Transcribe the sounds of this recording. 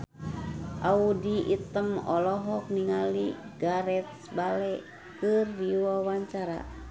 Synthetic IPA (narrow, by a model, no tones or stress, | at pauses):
ʔaudiʔit̪əmɔ̰lɔɦɔk̚niŋaliɡaɾɛt̪̚sbalɛ | kɨrdiwawaɲt͡ʃaɾa̰